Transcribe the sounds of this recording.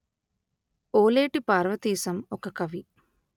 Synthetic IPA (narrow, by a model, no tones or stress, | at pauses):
oːleːʈipaːɾʋɐt̪iːsɐmɔkɐkɐʋi